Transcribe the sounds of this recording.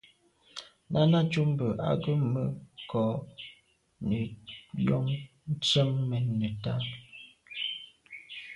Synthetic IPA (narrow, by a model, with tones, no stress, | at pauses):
nʔa˦na˦t͡ʃu˦m˦bə˨ʔa̰˦ɡə˦mə˦kʰɔ˨˦ | nə˨jɔ˦ŋ | n̩˦t͡sə˦mːɛ˨nə˨ta˦